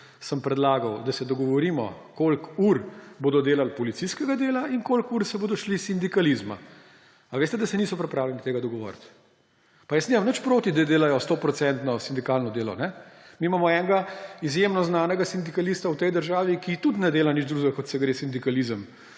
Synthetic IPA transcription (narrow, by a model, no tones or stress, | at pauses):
səmpɾɛd̪laːɡawd̪asɛd̪ɔɡɔʋɔɾiːmɔ̰kolkuɾboːd̪ɔd̪eːlalpɔlit̪siskɛɡad̪eːlainkoːlkuɾsɛboːd̪ɔʃlisind̪ikalizma̰ | aʋeːst̪ɛd̪ɐsɛniːsɔpɾɛpɾaːwlɛnit̪eːɡad̪ɔɡɔʋɔ̰ːɾt̪ | pajəsnimamnət͡ʃpɾoːt̪id̪ad̪eːlajɔst̪opɾɔt̪sɛnt̪nɔsind̪ikalnɔd̪eːlɔ̰nɛmiːmamɔɛŋɡaizjemnɔznaːnɛɡasind̪ikalist̪awt̪ɛjd̪əɾʒaːʋikit̪ut̪nɛd̪eːlanid͡ʒd̪ɾuːʒbɛkɔt̪sɛɡɾeːsind̪ikalizəm